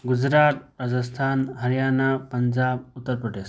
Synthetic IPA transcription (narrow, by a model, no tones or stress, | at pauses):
ɡud͡ʒɾaːt̪̚ɾad͡zəst̪ʰaːnɦɐɾijaːnapɐɲd͡ʒaːbʊt̪ːəɾpɾəʈeːs